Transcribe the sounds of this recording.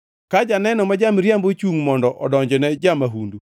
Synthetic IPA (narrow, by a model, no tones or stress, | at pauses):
kad͡ʒanɛnɔmad͡ʒamɾjambot͡ʃuŋmɔndɔʔɔdɔɲd͡ʒɔnɛd͡ʒamaɦundu